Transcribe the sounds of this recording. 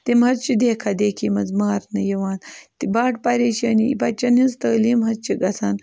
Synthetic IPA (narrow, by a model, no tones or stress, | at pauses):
t̪imhɐɾt͡ʃid̪eːkʰad̪eːkʰimɐzmaːɾnɐjɐwaːnt̪ibaːʈpaɾeːʃɐniḭbat͡ʃɐnhizt̪ɐlimɦɐt͡ʃʰiɡɐsan